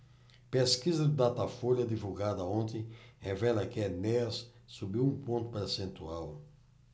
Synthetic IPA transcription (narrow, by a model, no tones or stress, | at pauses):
peskizɐd̪ɪd̪at̪afoljɐd̪ivuɡad̪ɐõnt̪ẽj̃hevɛlɐkɪenɛsː | ubiwũpõnt̪ʊ̥peɾsẽnt̪uaw